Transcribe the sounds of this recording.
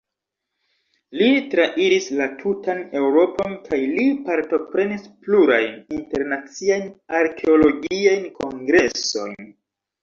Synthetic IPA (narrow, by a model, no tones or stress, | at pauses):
litɾaʔiɾislatʰutane̞wɾo̞po̞nkʰajlipaɾto̞pɾe̞nispluɾajninte̞ɾnat͡siajnaɾkʰe̞o̞lo̞ɡiajnko̞ŋɡɾe̞so̞̰jn